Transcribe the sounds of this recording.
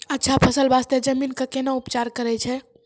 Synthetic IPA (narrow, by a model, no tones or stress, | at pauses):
ətːʃʰapʰəsəlbast̪ed͡ʒəminkəkenəupt͡ʃaɾkəɾɛt͡ʃʰɛ